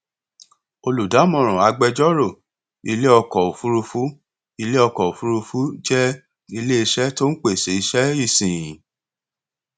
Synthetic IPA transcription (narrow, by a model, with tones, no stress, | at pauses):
o˧lu˨da˨˦mɔ̃˨ɾ̃ɔ̃˨a˨˧˦ɡ͡bɛ˧d͡ʒɔ˦ɾo˦˨ | i˧le˦ɔ˧kɔ˨o˨fu˦ɾu˧fu˦ | i˧le˦ɔ˧kɔ˨o˨fu˦ɾu˧fu˦d͡ʒɛ˦ | i˧le˦i˧ʃɛ˦to˦n̩˦k͡pe˦˨se˨˦i˧ʃɛ˦i˦˨sĩ˨jĩ˨